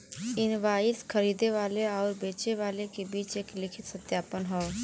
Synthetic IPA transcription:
ɪnʋaːjɪskʰəɾiːd̪eʋaːleɔːɾbeːt͡ʃeʋaːlekebiːt͡ʃeːklɪkʰɪt̪sət̪jaːpənɦɔo

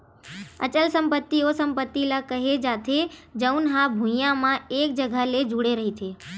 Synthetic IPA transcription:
ə̰t͡ʃəlsəmpət̪ːiosəmpət̪ːilakəɦed͡ʒat̪ʰed͡ʒəwnɦãbʱũjãmãek̚d͡ʒəɡʱaled͡ʒuɽeɾəɦit̪ʰe

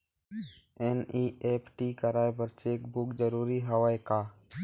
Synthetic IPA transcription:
eniːeːpʰʈiːkəɾaːebəɾt͡ʃeːkbʊkd͡ʒəɾuːɾiːɦəʋaːekaː

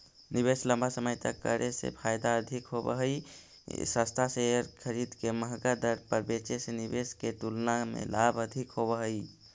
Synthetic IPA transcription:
nibeslə̃mbʱasəməjt̪əkːəɾʔesḛpʰajd̪aəd̪ʱikɦobəɦəi | səst̪ʰaseəɾkʰəɾid̪keməɦɡad̪əɾpəɾbet͡ʃesenibeskeʈ̪ulnamḛlabəd̪ʱikɦobəɦəi

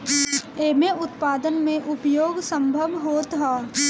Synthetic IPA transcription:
eːmeʊt̪paːd̪ənmẽʔʊpjoːɡsə̃mbʱəʋɦoːt̪ɦaː

